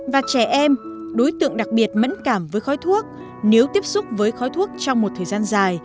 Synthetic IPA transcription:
vaː˨˩t͡ɕɛ˧˩ʔɛ˧mɗo˨˦jt̪ɨ̰˧˨əŋɗa˨˩k̚ɓi˨˩ət̚mə̰˧˥nkaː˧˩mvəː˨˦jxɔ˨˦jt̪ʰu˦˥ək̚ | ne˨˦wt̪i˦˥əp̚sʊ˦˥k͡p̚vəː˨˦jxɔ˨˦jt̪ʰu˦˥ək̚t͡ɕɔ˧wŋ͡mmo˨˩t̚t̪ʰəː˨˩jzaː˧nzaː˨˩j

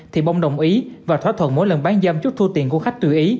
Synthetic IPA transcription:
t̪ʰi˨˩ɓa˧wŋ͡mɗə˨˩wŋ͡mʔi˨˦vaː˨˩t̪ʰwaː˦˥t̪ʰwə˧˨nmo˨˦jlə˨˩nɓaː˨˦nzə˧mt͡ɕu˦˥t̚t̪ʰu˧t̪ḭ˨˩əku˧˩əxa˦˥jk̚t̪ɨ˧˩ʔi˨˦

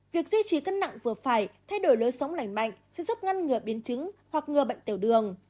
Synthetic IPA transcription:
vi˨˩ək̚zwi˧t͡ɕi˨˩kə˧nːa̰˧˨ŋvɨ˨˩əfaː˧˩jt̪ʰa˧jɗo˧˩jloː˨˦jsə˨˦wŋ͡mla˨˧˩jŋ̟ma̰˧˨jŋ̟sɛ̰˧˥zu˦˥p̚ŋa˧nŋɨ˨˩əɓi˨˦ənt͡ɕɨ˨˦ŋhwa˨˩k̚ŋɨ˨˩əɓə̰˧˨jŋt̪i˧˩əwɗɨ˨˩əŋ

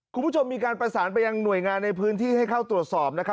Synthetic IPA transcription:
kʰu˧npʰu˥˩o˧mːiː˧kaː˧npɾa˧saː˩˦np̬a˧jːa˧ŋnu˨˩əjŋaː˧nːa˧jpʰɯː˦˥nt̪ʰiː˥˩ha˥˩jkʰa˥˩wt̪ɾu˨˩ət̪̚sɔː˨˩p̚na˦˥kʰa˦˥

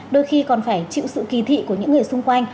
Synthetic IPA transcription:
ɗo˧jxi˧kɔ˨˩nfaː˧˩jt͡ɕḭ˧˨wsɨ̰˧˨ki˨˦t̪ʰḭ˧˨ku˧˩əɲɨ̰˧˥ŋːɨ˨˩əjsʊ˧ŋ͡mkwa˧jŋ̟

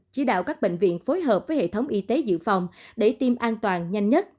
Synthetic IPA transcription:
t͡ɕi˨˦ɗa̰ː˧˨wkaː˦˥k̚ɓḛ˧˨ŋ̟vḭ˧˨ənfo˨˦jɦəː˨˩p̚vəː˨˦jhḛ˧˨t̪ʰə˨˦wŋ͡mʔi˧t̪e˨˦zɨ̰˧˨fa˨˩wŋ͡mɗe˧˩t̪i˧mʔaː˧nt̪waː˨˩nɲa˧jŋ̟ɲə˦˥t̚

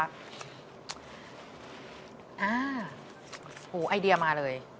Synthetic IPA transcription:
ʔaː˧˩ | huː˩˦ʔaː˧jdi˧ɐmaː˧lɤː˧j

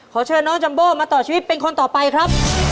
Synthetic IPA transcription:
kʰɔː˩˦t͡ɕʰɤː˧nɔː˦˥ŋt͡ɕa˧mboː˥˩maː˧t̪ɔː˨˩t͡ɕʰiː˧wi˦˥t̪̚pe˧nkʰo˧nt̪ɔː˨˩pa˧jkʰɾa˦˥p̚

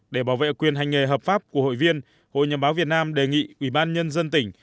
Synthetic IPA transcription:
ɗe˧˩ɓaː˧˩wvḛ˧˨kwi˨˩ənɦa˨˩jŋ̟ŋe˨˩ɦəː˨˩p̚faː˦˥p̚ku˧˩əho̰˧˨jvi˧ən | ho̰˧˨jɲə˨˩ɓaː˨˦wvi˨˩ət̚naː˧mɗe˨˩ŋḭ˧˨ʔwi˧˩ɓaː˧nɲə˧nzə˧nt̪ï˧˩ŋ̟

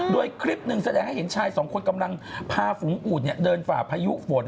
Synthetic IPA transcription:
doː˧jkʰɾi˦˥p̚nɯ˨˩ŋsa˧dɛː˧ŋha˥˩jhe˩˦nt͡ɕʰaː˧jsɔː˩˦ŋkʰo˧nka˧mla˧ŋpʰaː˧fu˩˦ŋʔuː˨˩t̪̚ni˥˩ədɤː˧nfaː˨˩pʰa˧jṵ˦˥ʔfoː˨˩˦t̪̚

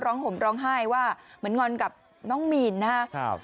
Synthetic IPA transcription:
ɾɔː˦˥ŋɦo˩˦mɾɔː˦˥ŋɦaː˥˩jwaː˥˩mɯ˩˦ənŋɔ˧nka˨˩p̚ | nɔː˦˥ŋmiː˧nːa˦˥

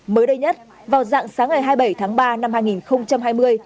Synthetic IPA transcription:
məː˨˦jɗə˧jɲə˦˥t̚ | vaː˨˩wza̰ː˧˨ŋsaː˨˦ŋːa˨˩jɦaː˧jɓə˧˩jt̪ʰaː˨˦ŋɓaː˧na˧mhaː˧jŋi˨˩nxə˧wŋ͡mt͡ɕa˧mɦaː˧jmɨ˧əj

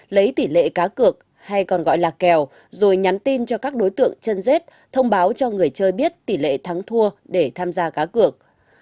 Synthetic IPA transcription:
lə˨˦jt̪i˧˩lḛ˧˨kaː˨˦kɨ˨˩ək̚ | ha˧jkɔ˨˩nɣɔ̰˧˨jlaː˨˩kɛ˨˩w | zo˨˩jɲa˨˦nt̪i˧nt͡ɕɔ˧kaː˦˥k̚ɗo˨˦jt̪ɨ̰˧˨əŋt͡ɕə˧nze˦˥t̚ | t̪ʰə˧wŋ͡mɓaː˨˦wt͡ɕɔ˧ŋɨ˨˩əjt͡ɕəː˧jɓi˦˥ət̚t̪i˧˩lḛ˧˨t̪ʰa˨˦ŋt̪ʰu˧əɗe˧˩t̪ʰaː˧mzaː˧kaː˨˦kɨ˨˩ək̚

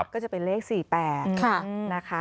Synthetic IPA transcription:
kɔː˥˩t͡ɕa˨˩pe˧nleː˥˩k̚siː˨˩pɛː˨˩t̪kʰa˥˩na˦˥kʰa˦˥

